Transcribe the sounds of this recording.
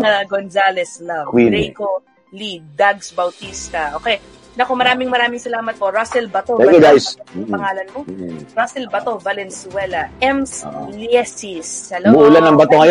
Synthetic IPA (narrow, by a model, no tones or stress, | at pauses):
ŋɐɡonzalɛslɐwinɛjko | lid̪aɡsbɐwt̪ist̪ɐʔoːkɛj | nɐkomɐɾaːmɪŋmɐɾaːmɪŋsɐlaːmɐt̪̚poɾasɛlbɐt̪oɛkodajspɐŋaːlɐnmoɾasɛlbɐt̪ovɐlɛnsʊwɛlɐʔɛmsliɛsisːɐlbʊʔulanːɐŋbɐt̪oŋɐj